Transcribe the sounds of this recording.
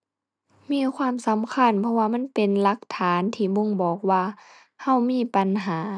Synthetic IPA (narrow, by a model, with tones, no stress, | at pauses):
miː˧˥˨kʰwaː˧˥˨msa˨˦mkʰa˧˥˨npʰɔ˧waː˧ma˧˥˨npe˨nla˧˦k̚t̪ʰaː˨˦nt̪ʰiː˧˩bo˧˨ŋbɔː˨˩k̚waː˧ | ha˧˩˨wmiː˧˥˨pa˨nɦaː˨˦